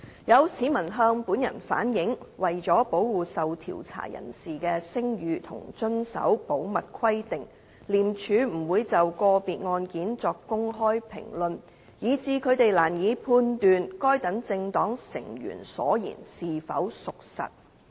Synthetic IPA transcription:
jɐ˨˧wsiː˨˥mɐ˨˩nɦœː˧ŋpuː˨˥njɐ̰˨˩nfa̰ː˨˥njɪ˨˧˥ŋwɐ˨jt͡sɔː˨˥po˨˥wwuː˨sɐ˨wt̪ʰḭː˨˩wt͡sʰa̰ː˨˩jɐ̰˨˩nsiː˨kɛː˧sɪ˥ŋjyː˨˧t̪ʰʊ̰˨˩ŋt͡sɵ˥nsɐ̰˨˥wpo˨˥wmɐ˨t̚kʰwɐ˥jt̪ɪ˨ŋ | liː˨˩mt͡ʃʰyː˨˧m̩˨˩wuː˨˧jt͡sɐ˨wkɔː˧piː˨t̚ŋɔː˧nkiː˨˥nt͡sɔː˧kkːʊ˥ŋɦɔː˥jpʰɪ̰˨˩ŋlɵ˨n | jiː˨˧t͡siː˨˧kʰɵ˨˧ɥt̪e˨jlaː˨˩njiː˨˧pʰuː˧nt̪yː˨nkɔː˥jt̪ɐ˨˥ŋt͡sɪ˧ŋt̪ɔː˨˥ŋsɪ̰˨˩ŋjy̰ː˨˩nsɔ̰ː˨˥jḭː˨˩nsiː˨fɐ̰˨˥wsʊ˨k̚sɐ̰˨t̚

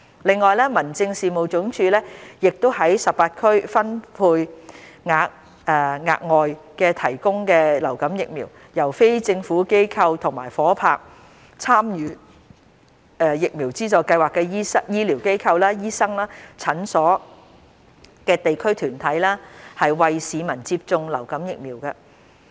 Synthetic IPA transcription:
lɪ˨ŋːɔː˨jlɛː˥mɐ˨˩nt͡sɪ˧ŋsiː˨mo˨wt͡ʃʊ˨˥ŋt͡ʃʰyː˧lɛː˥jɪ˨k̚t̪o˥whɐ˨˥jsɐ˨p̚paː˧t̚kʰɵ˥ɥfɐ˥npʰuː˧jŋaː˨˧k̚ | ɛː˧ŋa̰ː˧k̚ŋɔː˨jkɛː˧t̪ʰɐ˨˩jkʊ˥ŋkɛː˧lɐ˨˩wkɐ˨˥mjɪ˨k̚miː˨˩w | jɐ˨˩wfe˥jt͡sɪ˧ŋfuː˨˥ke˥jkʰɐ˧wt̪ʰʊ˨˩ŋma̰ː˨˩jfɔː˨˥pʰa̰ː˧k̚ | t͡sʰaː˥mjyː˨˧ | ɛː˧jɪ˨k̚miː˨˩wt͡siː˥t͡sɔː˨jkɐ˧jwaː˨kːɛː˧jiː˥sɐ˥kjiː˥li˨˩wke˥jkʰɐ˧wlaː˥jiː˥sɐ˥ŋlaː˥t͡sʰɐ˨˥nsɔː˨˥ | kɛː˧t̪e˨jkʰɵ˥ɥt̪ʰyː˨˩nt̪ʰɐ˨˥jlaː˥hɐ˨jwɐ˨jsiː˨˧mɐ˨˩nt͡siː˧p̚t͡sʊ˧ŋlɐ̰˨˩wkɐ˨˥mjɪ˨k̚miː˨˩wkɐ˧

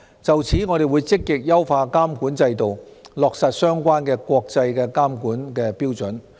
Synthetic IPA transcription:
t͡sɐ˨wt͡sʰiː˨˥ŋɔː˨˧ɾe˨˩jwuː˨˧jt͡sɪ˥kːɪ˨k̚jɐ˥wfaː˧kaː˥mkuː˨˥nt͡sɐ˧jt̪o˨wlɔː˨k̚sɐ˨t̚sœː˥ŋkʷaː˥nkɛː˧kʷɔː˧k̚t͡sɐ˧jkɛː˧kaː˥mkuː˨˥nkɛː˧piː˥wt͡sɵ˨˥n

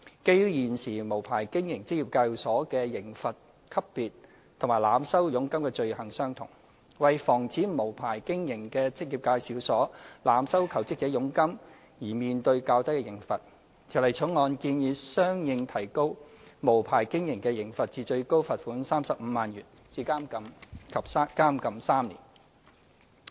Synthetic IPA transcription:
ke˥jjiː˨nsiː˨˩mo˨˩wpʰaː˨˩jkɪ˥ŋjɪ˨˩ŋt͡sɪ˥k̚jiː˨˩p̚kɐ˧wsɔː˨˥kɛː˧jɪ˨˩ŋfɐ˨t̚ | kʰɐ˥ppiː˨t̚ | t̪ʰʊ˨ŋmaː˨˩jlaː˨˧msɐ˥wjʊ˨˥ŋkɐ˥mkɛː˧t͡ʃɵ˧ɥhɐ˨˩ŋsœː˥ŋt̪ʰʊ˨˩ŋ | wɐ˨jfɔː˨˩ŋt͡sʰiː˨˥mo˨˩wpʰaː˨˩jkɪ˥ŋjɪ˨˩ŋkɛː˧t͡sʰɪ˥k̚jiː˨p̚kaː˧jsiː˨˥wsɔː˨˥laː˨˧msɐ˥wkʰɐ˨˩wt͡sɪ˥k̚t͡sɛː˨˥jʊ˨˥ŋkɐ˥m | jiː˨˩miː˨˧nt̪ɵ˧ɥkaː˧wt̪ɐ˥jkɛ˧jɪ˨˩ŋfɐ˨t̚ | t̪ʰi˨˩wlɐ˨˩jt͡sʰʊ˨˥ŋːɔː˨˧nkiː˧njiː˨˧sœː˥ŋjɪ˧ŋt̪ʰɐ˨˩jko˥wmo˨˩wpʰaː˨˩jkɪ˥ŋjɪ˨˩ŋkɛ˧jɪ˨˩ŋfɐ˨t̚t͡siː˧t͡ʃɵ˧ɥko˥wfɐ˨t̚fuː˨˥nsaː˥msɐ˨p̚m̩ː˨˧maː˨njyː˨˩n | t͡siː˧kaː˥mkɐ˧mkʰɐ˨p̚ːkaː˥mkɐ˨msaː˥mnlḭː˨˩n

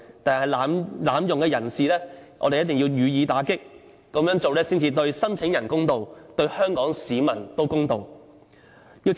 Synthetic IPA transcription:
t̪aː˨˩hɐ˨˩jlaː˨˧mlaː˨˧mjʊ˨ŋkɛː˧jɐ˨˩nsiː˨˧lɛː˥ʔɔ̰ː˨˧d̪e˨jɐ˥t̪̚ɪ˨ŋji˧wjyː˨˧jiː˨˧t̪aː˨˥kɪ˥k̚ː | ɐ˨˥mjœː˨˥ŋt͡so˨wlɛː˥siː˥nt͡siː˧t̪ɵ˧ɥsɐ˥nt͡sʰɪ˨˥ŋjɐ˨˩nkʊ˥ŋt̪o˨wt̪ɵ˧ɥhœː˥ŋkɔː˨˥ŋsiː˨˧mɐ˨˩nt̪o˥wkʊ˥ŋt̪o˨w | jiː˧w

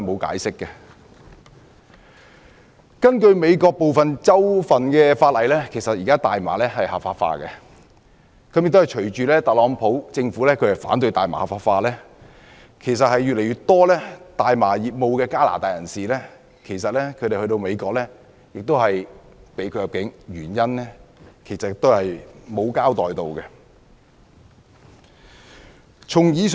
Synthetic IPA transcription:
mo˨˧wka̰ː˨˥jsɪ˥kːɛ˧ | kɐ˥nkɵ˧ɥme˨˧jkɔː˧k̚po˨wfɐ˨nt͡sɐ˥wfɐ˨nkɛː˧faː˧t̚lɐ˨jlɛː˥kʰe˨˩sɐ˨t̚jiː˨kaː˥t̪aː˨jma̰ː˨˩lɛː˥ɦɐ˨jhɐ˨˩pfaː˧tfa̰ː˧kɛ˧ | kʰɐ˨˥mjɪ˨k̚t̪hɐ˨jt͡ʃʰɵ˨˩ɥt͡ʃyː˨lɛː˥t̪ɐ˨t̚lɔː˨˥ŋpʰo˨˥wt͡sɪ˧ŋfuː˨˥lɛː˥kʰɵ˨˧hɐ˨˩jfa̰ː˨˥nt̪̬ɵ˧ɥt̪aː˨jma̰ː˨hɐ˨pfaː˧tfaː˧lɛː˥ | kʰe˨˩js̬ɐ˨t̚hɐ˨jɥy˨lɛ˨˩jɥyː˨t̚t̪ɔː˥lɛː˥t̪aː˨jmaː˨˩jiː˨p̚mo˨˧wkɛː˧kaː˥la̰ː˨˩t̪aː˨jɐ˨˩nsiː˨lɛː˥ | kʰe˨˩jsɐ˨t̚lɛː˥kʰɵ˨˧ɾe˨hɵ˧t̪o˧wme˨˧jkɔː˧k̚lɛː˥ | jɪ˨k̚t̪whɐ˨j | pe˨˥jkʰɵ˨˧jɐ˨p̚kɪ˨˥ŋɥyː˨˩njɐ˥nlɛ˥kʰe˨˩jsɐ˨k̚t̪o˥whɐ˨jmo˨˧wkaː˥wt̪ɔː˨jt̪o˨˧wkɛ˧ | t͡sʰʊ˨˩ŋjiː˨˧˥s

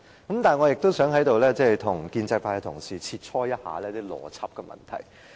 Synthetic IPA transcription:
kɐ˨˥mt̪aː˨˩nŋɔ˨˧jɪ˨k̚t̪o˥wsœː˨˥ŋhɐ˨˥jt̪o˨wlɛː˥t͡sɛː˥˩˨jt̪ʰʊ˨˩ŋkiː˧nt͡sɐ˧jpʰaː˧jt̪ʰʊ˨˩ŋsiː˨˩t͡sʰiː˧t̚t͡ʃʰɔː˥jɐ˥t̚haː˨˧lɛː˧t̪iː˥lɔ̰ː˨˧t͡sʰɐ˥p̚kɛː˧mʔɐ̰˨˩nt̪ʰɐ̰˨˩j

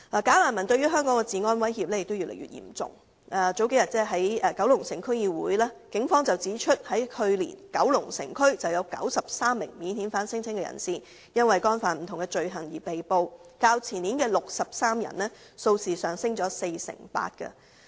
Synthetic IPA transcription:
laː˨˩kaː˨˥laː˨˩nmɐ˨˩nt̪ɵ˧ɥyː˥ɦœː˥ŋkɔː˨˥ŋkɛ˧t͡siː˨ŋɔː˥nwɐ˥jhiː˨p̚lɛː˥jɪ˨k̚t̪wjyː˨lḛ˨˩jy̰ː˨˩jḭ˨˩mt͡sʊ̰˨ŋ | ʔɛ˨t͡so˨˥wke˨˥jɐ˨t̚t͡sɛː˥ɦɐ˨˥jɛː˨kɐ˨˥wlʊ˨˩ŋsɪ˨˩ŋkʰɵ˥ɥjiː˧wuː˨˥jlaː˥kɪ˨˥ŋfɔː˥ŋt͡sɐ˨wt͡siː˨˥t͡ʃʰɵ˥t̚hɐ˨˥jhɵ˧ɥlḭː˨˩nkɐ˨˥wlʊ˨˩ŋsɪ̰˨˩ŋkʰɵ˥ɥt͡sɐ˨wjɐ˨˧wkɐ̰˨˥wsɐ˨p̚saː˥mːɪ̰˨˩ŋmiː˨˥nhi˨˥nfaː˨˥nsɪ˥ŋt͡sʰɪ˥ŋkɛ˧jɐ̰˨˩nsiː˨ | jɐ˥nwɐ˨jkɔː˥nfaː˨˩nm̩˨˩t̪ʰʊ˨˩ŋkɛ˧t͡ʃɵ˨˧ɥɦɐ˨˩ŋjiː˨˩pe˨jpo˧wkaː˧wt͡sʰiː˨˩niː˨˥nkɛː˧lʊ˨k̚sɐ˨p̚saː˥mjɐ̰˨˩nlɛː˥ | so˧wsiː˨˩sœː˨˩ŋsɪ˥ŋt͡sɔː˨˥se˧jsɪ̰˨˩ŋpa̰ː˧t̚kə̰˧

